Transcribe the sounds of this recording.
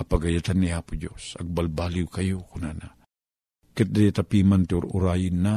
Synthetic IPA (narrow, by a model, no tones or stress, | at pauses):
ɐpɐɡɐjat̪anːiaːpʊd͡ʒo̰sɐ̰ɡ̚balbalɪwkɐjokʊnana | kɛt̪̚d̪ajat̪apimant̪ɪʊɾʊ̰ɾajɪnːa